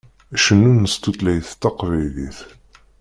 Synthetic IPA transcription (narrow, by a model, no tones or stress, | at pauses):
æʃənːunːəst̪ut̪læjθt̪ːɑqvæjliθ